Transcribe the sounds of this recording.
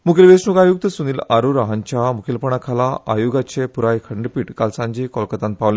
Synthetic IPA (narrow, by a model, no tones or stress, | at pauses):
mukʰilʋesnuɡajuk̚t̪əsuniːlaɾuɾaɦãɲt͡ɕamukʰilpəɳ̃akʰalaajuɡat͡ɕepuɾajkʰəɳɖpiːʈkalsãɲd͡ʑikɔlkət̪ãnt̪̚paʋle